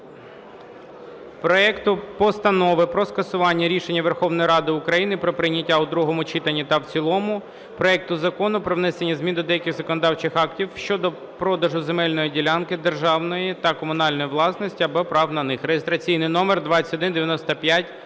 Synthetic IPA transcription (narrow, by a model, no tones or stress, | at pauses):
pɾɔɛkt̪ʊpɔst̪ɐnɔʋɪpɾɔskɐsʊʋɑnʲːɐɾʲiʃenʲːɐʋerxɔʋnɔjiɾɑd̪ɪʊkɾɐjinɪpɾɔpɾɪnʲɐtʲːaʊd̪ɾuɦɔmʊt͡ʃit̪ɐnʲːit̪ɐwt͡sʲilˠɔmʊ | pɾɔɛk̚t̪ʊzɐkɔnʊpɾɔʋnɛsenʲːɐzmʲind̪ɔd̪ɛjɐkʲɪxzɐkɔnɔd̪ɑwt͡ʃɪxɑktʲiwʃt͡ʃɔd̪ɔ | pɾɔd̪ɐʒʊzemɛlʲnɔjidʲilʲɑnkɪd̪erʒɑwnɔjit̪ɐkɔmʊn̪ɑlʲnɔjiʋlˠɑsnɔsʲtʲiɐbɔpɾɑwnɐnɪxɾejist̪ɾɐt͡sʲijnɪjnɔmerd̪ʋɑt͡sʲɐ̥tɔd̪ɪnd̪eʋjɐnɔst̪ɐpʲjatʲ